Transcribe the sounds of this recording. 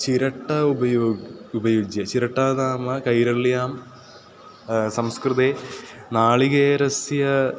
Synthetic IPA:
t͡ɕiɾɐʈːɐubɐjoːɡubɐjud͡ʑjɐt͡ɕiɾɐʈːaːðaːmɐkɐjɾɐɭjaːm | sɐmskrɨðenaːɭiɣeːɾɐsjɐ

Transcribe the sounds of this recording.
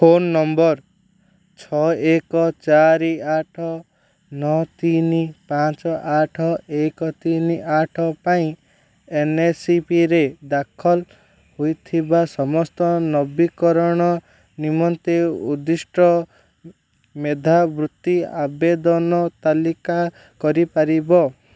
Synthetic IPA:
fʰonːɔmbɔɾ | t͡ʃʰɔekɔt͡ʃaɾiaʈʰɔ | nɔt̪inipãt͡ʃɔʔaʈʰɔekɔt̪iniʔaʈʰɔpaĩ | enesipiɾed̪akʰɔl | hojt̪ʰibasɔmɔst̪ɔnɔbikɔɾɔɽ̃ɔ | nimɔnt̪eud̪isʈɔ | med̪ʱabɾut̪ːiabed̪ɔnɔt̪alika | kɔɾipaɾibɔ

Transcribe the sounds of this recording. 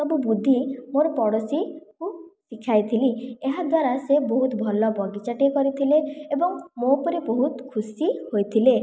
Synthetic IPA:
t̪ɔbubud̪ʱːimoɾɔpɔɽosikusikʰajt̪ʰilieɦad̪waɾaseboɦut̪bʱɔlɔbɔɡit͡ʃaʈiekɔɾit̪ʰileebɔŋmopɔɾiboɦut̪kʰusihojt̪ʰile

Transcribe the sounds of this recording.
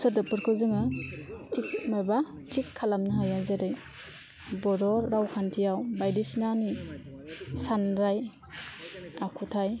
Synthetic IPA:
sɯdɯpɯɾkʰɯzɯŋɯtʰik̚maba | tʰikʰːalamnaɦajazeɾɯj | bɔdɔɾːawkʰantʰijawbajdisnani | sanɾaj | akʰutʰaj

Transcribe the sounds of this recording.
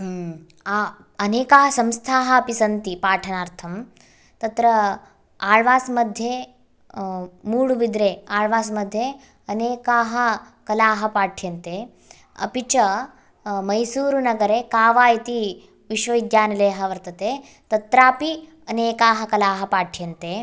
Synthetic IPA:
aː | ɐneːkaːɦɐsɐmst̪ʰaːɦɐːpisɐnt̪ipaːʈʰɐnaːɾt̪ʰɐm | t̪ɐt̪ɾɐ | aːɭʋaːsmɐd̪ʱje | muːɽubid̪ɾeaːɭʋaːsmɐd̪ʱje | ɐneːkaːɦɐ | kɐlaːɦɐpaːʈʰjɐnt̪e | ɐ̰pit͡ʃɐ | mɐjsuːɾunɐɡɐɾekaːʋaːjit̪i | ʋiʃʋɐʋid̪jaːnɐleːɦɐʋɐɾt̪ɐt̪eː | t̪ɐt̪ɾaːpi | ɐneːkaːɦɐkɐlaːɦɐpaːʈʰjɐnt̪eː

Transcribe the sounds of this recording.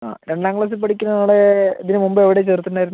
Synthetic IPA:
a̰ːɾeɳɖaːŋɡɭɐs̬ɨpɐʈʰikʲːunːɐnaːɭeɐðinumumbɨeʋiɽet͡ɕert̪ːunːaːjɾunː

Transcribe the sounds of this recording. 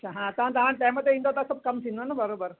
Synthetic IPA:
ɐt͡ɕʰaɦãɐt̪ɐɦãt̪ɐɦãʈajmət̪ːeĩnd̪at̪asəb̚kɐmsind̪onabəɾobəɾ

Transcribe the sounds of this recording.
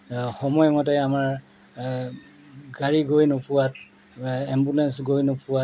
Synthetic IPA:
xɔmɔjmɔt̬ɛamaɹ | ɡaɹiɡojnopuwat̚ | ɛmbulɛnsɡojnopuwa

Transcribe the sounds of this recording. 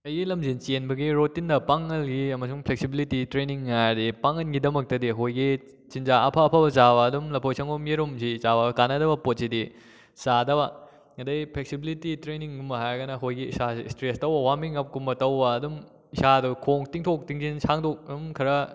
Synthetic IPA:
ɐjilɐmzint͡ʃienbɐɡiɾotindɐpaŋːɐlɡiɐmɐsuŋpʰlek̚sibilititɾeniŋːajdipaŋɐnɡidɐmɐk̚tɐdiɐkojɡi | t͡ʃinzaɐpʰapʰabɐt͡ʃabɐːdumlɐpʰojsʰɐŋomjeɾumsit͡ʃabɐkanɐdɐbɐpot̚sidi | sadɐbɐ | ŋɐdɐjpʰlek̚sibilititɾeniŋɡumɐɦajɡɐnɐkojɡiisaḭstɾestɐwbɐwamiŋɐp̚kumbɐtɐwbɐːdum | isadukʰoŋtiŋtʰok̚tiŋzinsaŋdok̚ɐdumkʰɐɾɐ

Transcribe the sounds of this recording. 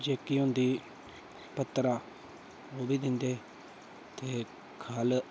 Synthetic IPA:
d͡ʒeːkiːɦʊ̃nd̪iː | pət̪ːɾaː | oːbiːd̪ɪnd̪eː | t̪eː | kʰəl

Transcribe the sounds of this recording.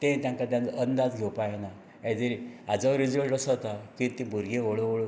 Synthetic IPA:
t̪ẽt̪jãŋkat̪̬jãnt͡sənd̪ad͡zɡʱewpajena | ad͡z̪eɾiad͡zaʋɾid͡zəɭʈəsət̪akĩt̪ĩbʱuɾɡẽɦoɭooɭo

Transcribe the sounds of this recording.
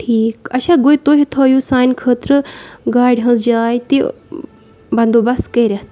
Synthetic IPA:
ʈʰiːkɐʃãːɡoːit̪oːɦit̪ʰoːjuːsaːnʲkʰəːt̪ɾɨɡaːɖɦɐ̃nsd͡ʒaːjt̪i | bɐ̃nd̪oːbɐskɐɾɐɦt̪a

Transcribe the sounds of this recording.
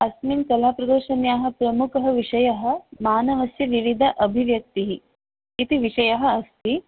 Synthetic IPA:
ɐsminkɐlaːpɾɐd̪uːʃɐnjaːɦɐ̆pɾɐmukɐɦɐʋiʂɐjɐɦɐ̆maːnɐʋɐsjɐʋiʋid̪ʱɐʔɐbʱiʋjɐk̚t̪iɦi | kit̪iʋiʂɐjɐɦɐ̆ɐst̪i

